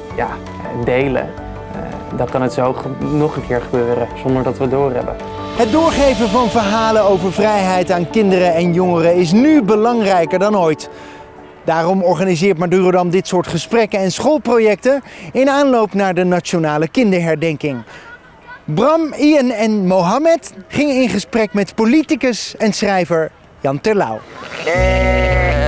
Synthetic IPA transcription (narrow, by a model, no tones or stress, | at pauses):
ja̰ː | dejlə̰ | dɑkɑnətsownɔχəŋkʰɪːɹχəbøːɾəz̥ɔndəɹdɑtʋədʊːrɦɛ̰bə̰n | ɦəd̚dʊːɹχejvənvɑnvəɹɦaːlənowvəɹvrɛjɦɛjtaːnkɪndərəɛnjoŋərəɪs̬nybəlɑŋrɛjkəɹdɑnojt | d̥aːrɔmɔɹχaːnizɪːɹtmadyːrodɑmdɪtsʊːɹtχəsprɛkəɛnsχolˠprowjɛk̚tənɪnaːnlowpnaːɹdənat͡ʃonaːləkɪndəɹɦɛɹdɛŋkɪŋ | brɑmiɛnɛnmowɦɑmɛtχɪŋəɪnχəsprɛkmɛtpolitikəsɛnsrɛjvəɹ | jɑntɛɹla̰w